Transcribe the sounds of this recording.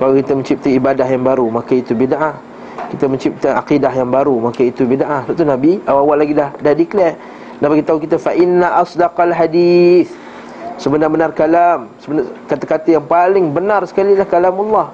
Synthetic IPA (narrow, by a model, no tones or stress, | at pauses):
kawakit̪aməɲt͡ʃip̚t̪aibadahjaŋbaɾumakait̪ubidaʔah | kit̪aməɲt͡ʃip̚t̪əaqidaɦjaŋbaɾumakait̪ubidaʔahwaʔt̪unabiawawalːaɡidahdadiklɛ | nabaɡit̪aukit̪afaʔɪnːaʔasdɑqalɦadiθ | səbənabənarkalamsəbənakat̪akat̪əjaŋpalɪŋbənarsə̥kalilahkalamalːɑh